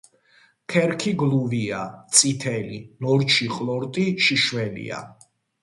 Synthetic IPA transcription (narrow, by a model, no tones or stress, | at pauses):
kʰɛɾkʰiɡlˠuviat̪sʼit̪ʰɛlinɔɾt͡ʃʰiχʼlˠɔɾt̪ʼiʃiʃwɛlḭa̰